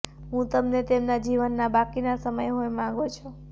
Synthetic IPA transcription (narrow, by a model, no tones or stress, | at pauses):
ɦũt̪əmnet̪emnad͡ʒiʋənːabakinasəməjɦojmãɡot͡ʃʰu